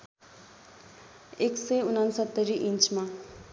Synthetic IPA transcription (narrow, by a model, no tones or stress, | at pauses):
ekseunansʌt̪ːəɾiʔint͡ʃmã